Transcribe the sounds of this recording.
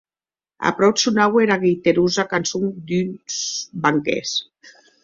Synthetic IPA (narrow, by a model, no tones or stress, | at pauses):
a̰pɾɔwsunaweɾaɣejt̪eɾuzakansuŋd̪ynsbaŋkḛs